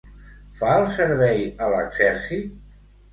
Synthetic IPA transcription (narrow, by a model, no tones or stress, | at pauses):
faəlˠsəɾβɛjələ̰ɡz̥ɛɾsit̪